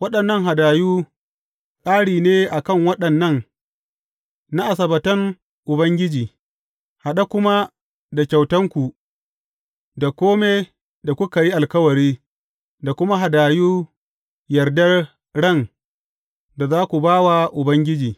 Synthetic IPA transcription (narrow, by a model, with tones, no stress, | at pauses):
wɐ˦ɗɐ˨nːɐ˦ŋɦa˨daː˨juː˦ | kʼaː˦ɽiː˨neː˦ʔa˨kɐ˦˨ŋwɐ˦ɗɐ˨nːɐ˦˨ŋ | na˦ʔa˨sɐ˨bɐ˨tɐ˦ŋ | ʔʊ˨bɐ˦ŋɡʲɪ˦d͡ʒiː˨ | ha˨ɗa˦kʷʊ˦ma˦ | da˨kʲa˨wtɐ˦ŋkʷu˨ | da˨kʷoː˦meː˦ | da˨kʷʊ˦ka˨ji˦ʔa˨lkɐ˦wɐ˨ɾiː˦ | da˨kʷʊ˦ma˦ɦa˨daː˨juː˦ | jɐ˨rdɐ˦r | ɽɐ˦˨n | da˨zaː˦kʷu˨baː˦wa˨ʔʊ˨bɐ˦ŋɡʲɪ˦d͡ʒiː˨